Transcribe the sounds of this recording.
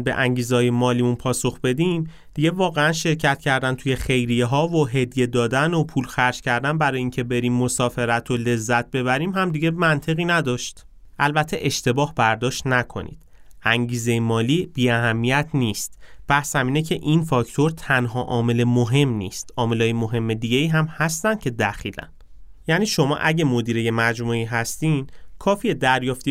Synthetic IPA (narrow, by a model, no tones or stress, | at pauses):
be̞̰ʔæŋɟiːzehɒːjemɒːliːmunpʰɒːso̞xbe̞d̪im | d̪̥iɟe̞vɒːɣe̞ænʃe̞ɾcʰæt̪̚cʰæɾd̪ænt̪ʰuje̞χe̞jɾijeɦɒːvoɦe̞d̪je̞d̪ɒːd̪ænopʰuːlxæɾd͡ʒcʰæɾd̪ænbæɾɒːjiːŋcʰe̞be̞ɾiːmːosɒːfe̞ɾæt̪ʰo̞le̞zːæt̪̚ʰbe̞βæɾiːmɦæmd̪iɟe̞mænt̪ʰe̞ɣiːnæd̪ɒːʃt̪ | ʔælbæt̪ʰːe̞ʔe̞ʃt̪e̞bɒːhbæɾd̪ɒːʃt̪nækʰo̞̰nḭːd̪̥ʔæŋɟiːzejemɒːliːb̥iːæɦæmːijæt̪ʰniːst̪b̥æhsæmiːnecʰe̞ʔinfɒct̪ʰo̞ɾt̪ʰænɦɒːʔɒːme̞le̞moɦe̞mnḭːst̪ʔɒːme̞lɒːjemoɦe̞mːe̞d̪iɟe̞iːɦæmhæst̪ænd̪cʰe̞d̪æxiːlæ̰n | jæːniːʃo̞mɒ̰ːʔæɟemod̪iːɾe̞je̞mæd͡ʒmuiːɦæst̪imkʰɒːfijed̪æɾjɒːft̪i